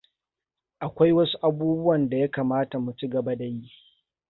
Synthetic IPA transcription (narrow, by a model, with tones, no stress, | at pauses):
ʔa˨kʷa˦jwɐ˦su˦ʔa˨˦buː˦bʊ˦wɐ˨nda˨ja˦kaː˨maː˦ta˨mu˨t͡ʃi˦ɡɐ˨ba˦da˨ji˦ʔ